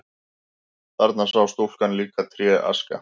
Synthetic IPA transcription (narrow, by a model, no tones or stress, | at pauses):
θaɾt̪nasawst̪ol̥kanliːkat̪ʰɾjɛʔa̰ska̰